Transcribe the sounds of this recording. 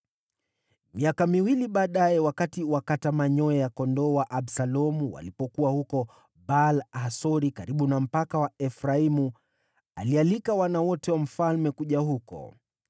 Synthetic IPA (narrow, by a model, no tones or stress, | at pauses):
miakamiwiliɓaːɗaɛwakatiwakatamaɲɔɛjakɔndɔwaʔaɓsalɔmuwa̰lipɔkuwahukɔ | balasɔɾikaɾiɓunam̩pakawaɛfɾaimu | alialikawanawɔtɛwam̩falmɛkuʄahukɔ̰